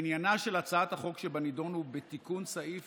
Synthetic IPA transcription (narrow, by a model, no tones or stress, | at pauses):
injanaʃe̞lat͡saat̪haχo̞kʃebanido̞nhubet̪ikunsaʔif